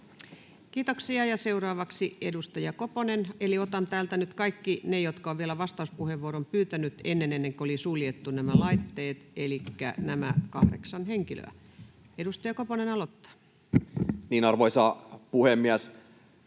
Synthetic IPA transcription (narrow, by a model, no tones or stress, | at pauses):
kiːt̪oksiɑjɑseurɑːʋɑksiedust̪ɑjɑkoponeneliot̪ɑnt̪æːlt̪ænyt̪kɑikːinejot̪kɑoʋʋielæʋɑst̪ɑuspuheʋʋuoɾompyːt̪ænyt̪enːenenːeŋkolisuljet̪ːunæmælɑit̪ːeːt̪elikːæ̰næmækɑhɾḛksɑnheŋkilø̰æ̰ | edust̪ɑjɑkoponenɑlot̪ːɑ̥ | niːnɑrʋoisɑpuhemːiæs